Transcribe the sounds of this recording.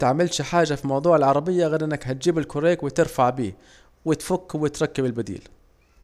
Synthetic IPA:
t̪aʕmɪlʃħaːʒafimɑwðˤuːʕɪlʕɑɾˤɑbɪjːaɣeːd̪ʔɪnːɪkɦat̪̚d͡ʒiːbɪlkʊɾeːkwɪt̪ɪɾfaʕbiː | wɪt̪fʊkːwɪt̪ɾˤɑkːabɪlbad̪ḭːl

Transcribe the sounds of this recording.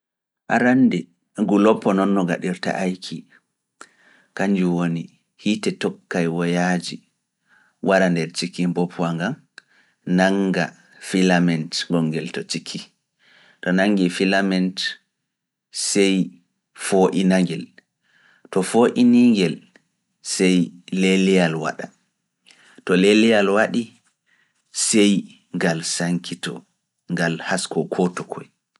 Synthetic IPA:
ʔa̰ɾandɛ | ɡulɔpːɔnɔnːɔɡa̰ɗiɾta̰ʔajkʰi | kaɲd͡ʒuwoni | hitɛtɔkːajwɔjad͡ʒi | wʔaɾandɛɾt͡ʃikːimbɔpʰwaŋɡam | naŋɡa̰ | filamɛntɡɔŋːɡɛltɔt͡ʃikʰːi | tɔnaŋːɡifilamɛnt | sɛj | foʔinaŋɡɛl | tɔfoʔiniŋɡɛl | sɛjlelɛjalwa̰ɗa | tɔlelijalwaɗi | sɛj | ŋɡalsaŋkʰitɔ̰ | ŋɡalhaskɔkʰɔtɔkʰɔ̰j

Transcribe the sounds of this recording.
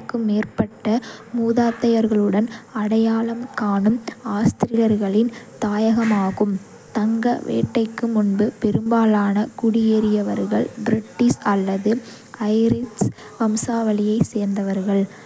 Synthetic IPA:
kːɯmeːrpɐʈːɐmuːðaːt̪ːɐjɐɾɣɐɭɯɽɐnɐɽɐjaːɭɐmkaːɳɯmaːst̪ɪɾɪjɐɾɣɐɭɪnt̪aːjɐɣɐmaːɣɯm | t̪ɐŋɡɐʋḛːʈːɐɪkːɯmʊnbɯpɛɾɯmbaːlaːnɐkʊɽɪjeɾɪjɐʋɐɾɣɐɭbɾɪʈːɪsɐlːɐðɯ | ɐɪɾɪs | ʋɐmsaːʋɐlɪjɐɪseːɾnd̪ɐʋɐɾɣɐɭ

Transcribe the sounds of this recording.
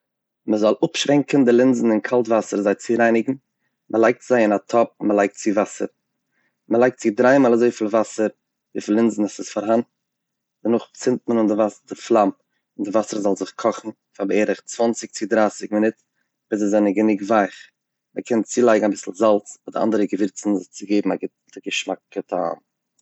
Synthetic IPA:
məzɔlˠʊpʃvɛŋkən̩dɪlˠɪnzn̩ɪnkʰalˠtvasəɾzaɪt͡sɪɾaɪnɪɡŋ̩ | məlˠaɪk̚tz̥aɪɪnatʰɔp̚məlˠaɪk̚tt͡sɪvasə̰ɾ | məlˠaɪk̚tt͡sɪdɾaɪmaːlˠazoɪfiːlˠvasəɾ | vɪflˠɪnzn̩asɪsfaɾɦant | d̥ənʊχt͡sɪnt̚mənʊndɪvasdɪflˠam | ɪndɪvasəɾzɔlˠzɪχkʰɔχn̩ | fabɛːɾəχt͡svɔnt͡sɪk̚t͡sɪdɾaːsɪkmɪnɪt | b̥ɪsɪzɛnəɡənɪɡvaɪχ | məkʰɛnt͡siːlˠaɪɡŋ̩abɪsl̩ˠzalˠt͡sdɪʔa̰ndəɾəɡəvɪɾt͡sn̩zɪχt͡sɪɡeɪbm̩aɡɪ | əɡəʃmak̚ːətʰa̰ːm

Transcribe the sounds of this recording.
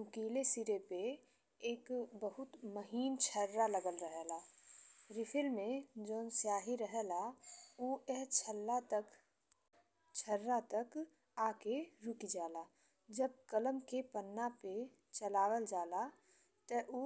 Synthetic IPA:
mʊkiːlesiɾepe | eːkbəɦʊt̪məɦiːnt͡ʃʰəɾːaləɡəlɾəɦɛlaːɾɪpʰɪlmẽd͡ʒoːnsjaːɦiɾəɦɛlauːɛɦt͡ʃʰəlːat̪ək | t͡ʃʰəɾːat̪ək | aːkeɾʊkid͡ʒaːlaː | d͡ʒəb̚kələmkepənːape | t͡ʃəlaːwəld͡ʒaːla | t̪əʔuː

